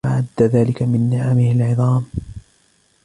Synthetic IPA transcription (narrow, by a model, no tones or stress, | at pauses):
aʕad̪ːaðaːlɪkamɪnːɪʕamɪhalʕɨðˤɑːm